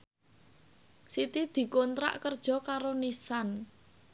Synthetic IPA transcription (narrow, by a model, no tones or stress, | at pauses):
sit̪id̪̥i̤kont̪ɾa̰ʔkərd̥ʒ̥ɔ̤kaɾonisan